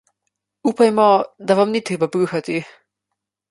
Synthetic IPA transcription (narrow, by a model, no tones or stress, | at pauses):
upajmɔd̪aʋamnit̪ɾeːbapɾuxat̪i